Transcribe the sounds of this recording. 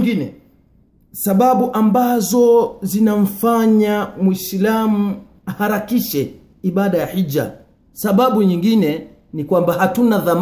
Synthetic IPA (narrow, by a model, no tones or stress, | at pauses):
ŋɡinɛ | saɓaɓuʔambazɔzinam̩faɲamwislamu | ahaɾakiʃɛ | iɓaɗajaħid͡ʒa̰ | saɓaɓuɲiŋɡinɛ | nikwambahatunaðam